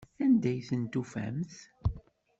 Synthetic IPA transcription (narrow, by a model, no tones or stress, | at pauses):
θænd̪æjθənt̪ufæ̰mθ